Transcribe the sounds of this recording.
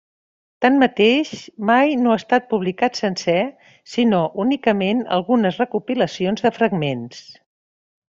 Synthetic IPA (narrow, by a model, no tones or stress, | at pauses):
t̪anmət̪eʃmajnoast̪at̪̚puβ̞likat̪sənsɛ | sinoʔunikəmenə̰lˠɣunəzrəkupiləsionzðəfɾəɡmens